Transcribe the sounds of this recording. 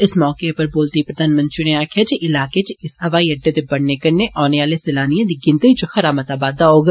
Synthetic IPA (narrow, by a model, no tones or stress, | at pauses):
ɪsmɔːkepɐɾboːlt̪ipɾɐd̪ʱaːnmə̃nt̪ɾineaːkʰjat͡ʃiʔɪlaːket͡ʃɪsɦɐʋaːiɐɖːet̪ebɐɽnekɐɾneʔɔːneaːlesɪlaːnijãd̪iɡɪ̃nt̪ət͡ʃoxɐɾaːmət̪aːbaːd̪aɦoːɡ